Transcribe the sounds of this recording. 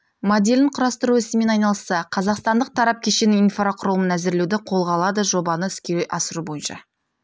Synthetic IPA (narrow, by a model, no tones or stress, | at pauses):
mod̪ʲe̞lɪɴqʰʊɾɑst̪əɾuɪsɪme̞nɑjnɑlˠəsːɑqʰɑzɑqst̪ɑnd̪əq̚t̪ʰɑɾɑp̚kʲʰe̞ʃe̞nɪinfraqʰʊɾˠmənæzɪɾle̞wd̪ɪqʰo̞lˠʁɑlˠɑd̪əʒo̞bɑnəʏskʲeʔɑsəɾubo̞jənʃɑ̰